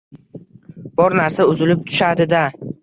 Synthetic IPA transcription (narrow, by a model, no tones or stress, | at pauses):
b̥ɒɾnaɾsaʊzɪlɪp̚t̪ʰʊ̥ʃad̪ɪd̪a